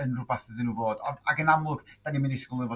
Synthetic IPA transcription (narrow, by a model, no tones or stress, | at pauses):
ənrubaθɨðənuːvoːdɔaɡənamlˠʊɡd̥animɪndɪsklˠɨvɔ